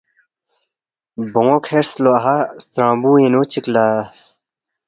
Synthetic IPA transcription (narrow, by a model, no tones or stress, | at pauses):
bõŋõkʰeɾsloɐɦast̪ɾãːbuːẽnoːt͡ɕiklaː